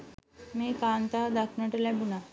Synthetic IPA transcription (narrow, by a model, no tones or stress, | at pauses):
mekant̪ad̪akʰnəʈeljabuna